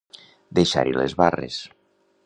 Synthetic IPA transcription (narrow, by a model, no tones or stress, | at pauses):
d̪eʃa̰ɾilezβarḛs